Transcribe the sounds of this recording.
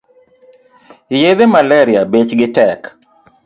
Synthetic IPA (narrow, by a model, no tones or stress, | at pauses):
jed̪emalɛɾɪabet͡ʃɡɪtɛk